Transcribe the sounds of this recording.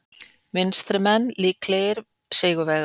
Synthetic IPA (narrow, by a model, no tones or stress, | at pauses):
mɪnst̪ɾɪmɛnːliːkleːjɪɾ | seːjɣʏvɛɣ